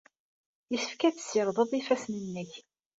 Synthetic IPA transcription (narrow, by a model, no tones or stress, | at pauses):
jəsə̥fkæθə̥səɾˤðˤəðˤifæsnənːəç